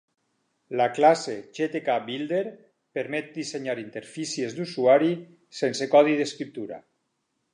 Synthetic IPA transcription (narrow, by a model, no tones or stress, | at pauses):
laklaseʒet̪ekabild̪eɾ | peɾmɛt̪̚d̪iseɲaɾint̪eɾfisiezd̪usuaɾi | sensekɔðiðeskɾip̚t̪uɾa̰